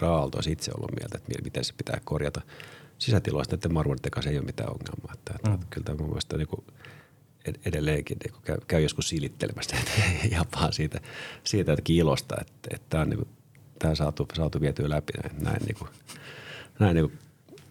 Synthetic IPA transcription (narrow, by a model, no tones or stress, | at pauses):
rɑːlt̪o̰isit̪sḛo̰lːṵmḭælt̪e̥t̪mḭlmit̪ense̥pit̪æ̰ːkkorjɑt̪ɑsisæt̪ilo̰st̪net̪ːemɑrʋont̪ːekɑseijoːmit̪æ̰ːo̰ŋːḛlmɑːet̪ːæt̪t̪kylt̪æmum̰ːˑst̪ɑniːku | eedelːeːŋkinḭːku̥kæykæyjoskussilit̪ːelḛmæst̪et̪jɑpːɑːnsiːt̪æsiːt̪æt̪kiilost̪ɑ̰ḛt̪ːḛt̪t̪æːonnḭːku | t̪æhːsɑːt̪usɑːt̪uʋiæt̪yːlæpinæ̰it̪næ̰innḭːku | næinniːŋku